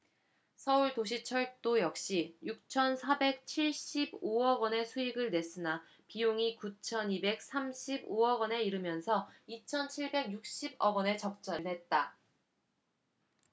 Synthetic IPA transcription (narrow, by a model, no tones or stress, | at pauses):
sʰʌuɭtoɕ̬ʰit͡ɕʰʌɭt͈ojʌk̚ɕ͈ijuk̚t͡ɕʰʌnsʰabe̞k̚t͡ɕʰiɭɕ͈iboʌɡwʌne̞sʰuiɡɯɭne̞s͈ɯna | pijoŋikut͡ɕʰʌnibe̞k̚s͈amɕʰiboʌɡwʌne̞iɾɯmjʌnsʰʌit͡ɕʰʌnt͡ɕʰiɭbe̞ɡjuk̚ɕ͈ibʌɡʌne̞t͡ɕʌk̚t͡ɕ͈ʌɾne̞t̚t͈a